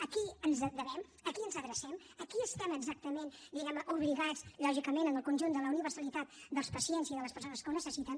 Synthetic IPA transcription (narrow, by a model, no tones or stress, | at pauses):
əkiənzəd̪əβɛm | əkiənzəɣɾəsɛm | əkiəst̪ɛməɡzak̚t̪əmend̪iɣɛməʔuβliɣat͡sʎɔʒikəmenənəlˠkunʲʒund̪ələuniβərsəlit̪at̪̚d̪əlˠspəsiɛnziðələspəɾs̬onəskuwnəsəsit̪ən